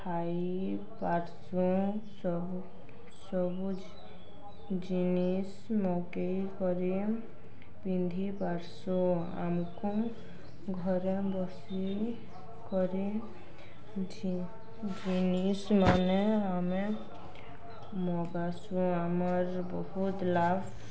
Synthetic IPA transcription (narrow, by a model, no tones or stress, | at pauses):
tʰaj | paɾsũ | sɔb | sɔbu | d͡ʒinis | mɔɡejkɔɾi | bind̪ʱibaɾsũ | a̰mku | ɡʱɔɾebɔs | i | kɔɾi | d͡ʒinismaneame | mɔɡasũamʌɾ | bɔɦut̪lab